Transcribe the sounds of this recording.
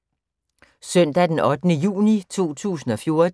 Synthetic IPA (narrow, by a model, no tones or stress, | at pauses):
sœn̰d̥æd̥enɒ̽d̥ənəjṵːnit͡sʰo̝̰ːt͡sʰṵːsn̩ɒ̽fjo̝ɐ